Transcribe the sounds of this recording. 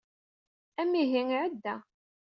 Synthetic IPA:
æmːiɦiŋʕəd̪ːæ

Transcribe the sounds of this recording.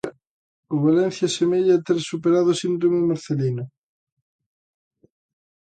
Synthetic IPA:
oβalen̟θjasemeʎat̪eɾsupeɾaðʊsind̪ɾomemaɾθelinʊ

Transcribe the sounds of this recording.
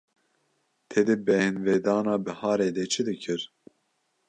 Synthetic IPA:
t̪ʰed̪ɨbɛhɨnvɛːd̪ɑːnɑːbɨhɑːɾeːd̪ɛt͡ʃʰɨd̪ɨkʰɨɾ

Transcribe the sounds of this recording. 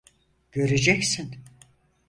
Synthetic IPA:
ɟ̥ø̞ɾed͡ʒɛcsin

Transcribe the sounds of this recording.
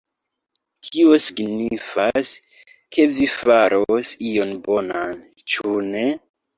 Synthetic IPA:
kʰio̞siɡnifas | kʰe̞vifaɾosio̞nbo̞nan | t͡ʃune̞

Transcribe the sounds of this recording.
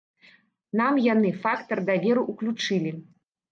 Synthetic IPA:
namjanɨfakt̪ɐrd̪avʲɛɾuʔuklʲut͡ʂɨlʲi

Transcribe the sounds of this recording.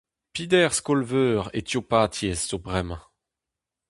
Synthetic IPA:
pid̪ɛʁskɔlvøːʁḛt̪jopaːt̪jɛsːobʁɛmɑ̃

